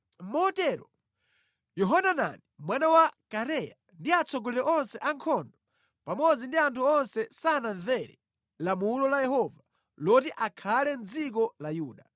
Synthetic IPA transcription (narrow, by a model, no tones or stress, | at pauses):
m̩mɔtɛːɾɔ | jɔɦanana̰nimwanawakaɾɛja̰ | ndiat͡sʰɔɡɔlɛlɛʔɔnsɛʔaŋkʰɔndɔ | pamɔd͡zindiantʰuɔnsɛsananvɛɾɛ̰ | lamulɔlajɛhɔva | lɔtiʔakʰalɛnd͡zik̬ɔlajuːɗa